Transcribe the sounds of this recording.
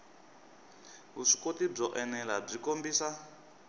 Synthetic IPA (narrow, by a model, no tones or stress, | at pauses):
ɦuʂi̥kotib͡ʐɔʔɛnɛlab͡ʐikombiːsa